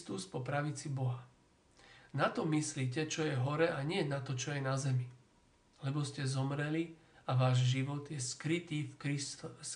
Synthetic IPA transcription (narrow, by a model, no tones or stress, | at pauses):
t̪uspɔpɾaʋit͡sibɔɦa | nat̪ɔmisliːcɛt͡ʃɔjɛɦɔɾɛʔaɲɪɛnat̪ɔt͡ʃɔjɛnazɛmi | lɛbɔscɛzɔmɾɛli | aʋaːʒʒiʋɔd̪jɛskɾit̪iːfki